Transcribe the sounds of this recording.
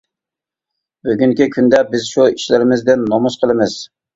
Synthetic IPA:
byɡʲyŋkʲikʲʰynd̪ɛbɪzʃuiʃlɪɾɪmɪzd̪ɪnːomuʃqʰəlˠɨmɪz̥

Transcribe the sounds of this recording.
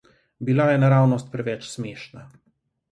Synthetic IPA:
bilajɛnaɾaːwnɔst̪̚pɾɛʋɛt͡ʃsmeːʃna

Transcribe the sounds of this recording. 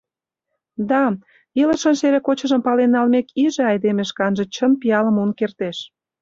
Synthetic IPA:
d̪ɑ | ilə̆ʃənʃeɾekot͡ɕə̆ʒə̆mpɑlenːɑlmekiʒĕɑjd̪emeʃkɑnʒĕt͡ɕənpijɑlə̆monkert̪eʃ

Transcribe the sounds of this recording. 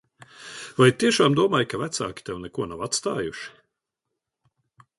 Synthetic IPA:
vajt̪iɛʃaːmd̪uɔmaːjkavæt̪sa̰ːkʲi̥t̪ɛwnɛkuɔnawat̪st̪aːjuʃi̥

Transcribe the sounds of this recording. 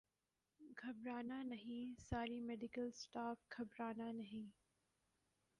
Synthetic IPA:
ɡʱɐbɾaːnanɐɦĩsaːɾimeːɖɪkəlsʈaːfkʰɐbɾaːnanɐɦĩː

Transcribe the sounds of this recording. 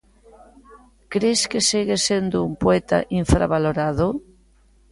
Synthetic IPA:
kɾeskesiɣesend̪oumpoet̪a̰ʔiɱfɾa̰βaloɾaðo

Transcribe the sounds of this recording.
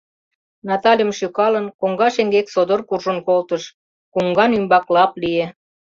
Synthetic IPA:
nɑt̪ɑlʲjəmʃykɑlənkoŋɡɑʃeŋɡeksod̪orkurʒənkolt̪əʃ | kuŋɡɑnymbɑklɑplije

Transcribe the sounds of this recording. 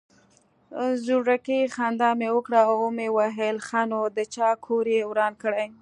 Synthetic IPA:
zuɾakexand̪ɑmewəkɽaaomewaɦelxanod̪ət͡ʃɑkʰoɾjewɾɑnkəɽaj

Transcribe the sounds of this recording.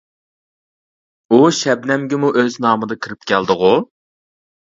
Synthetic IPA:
uʃɛb̚nɛmɡʲɪmuʔøznɑːmɨd̪ɨkʰiɾɪp̚kʲʰæld̪ɨʁu

